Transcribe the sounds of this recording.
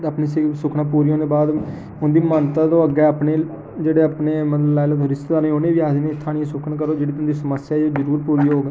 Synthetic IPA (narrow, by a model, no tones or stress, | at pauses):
əpniːssʊkʰɳãːpuːɾiːɦõːd̪eːbaːd̪ | ʊnd̪iːmənt̪aːt̪õːəɡɛːapneː | d͡ʒeːɽeːapneːmət̪ləblaːɪlət̪ɦʊɾɪst̪d̪aːnẽːonẽːʋiaːd̪eːnet̪ʰːaːɽĩẽsʊkʰəɳk̬əɾoːd͡ʒeːɽiːt̪ʊnd̪isəməsjaːd͡ʒoːzəɾuːɾpuːɾiːoːɡ